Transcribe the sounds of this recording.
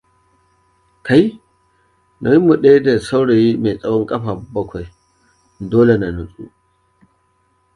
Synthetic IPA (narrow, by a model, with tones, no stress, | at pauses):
kʰa˨j | na˨ji˦mːu˨ɗe˦jda˨sa˦wɽe˨ji˦me˨t͡sʼɐ˦wɔ˦ŋkʼɐ˦ɸa˨bɐ˦kʷa˨j | doː˦le˨na˨nu˨sʼṵ˦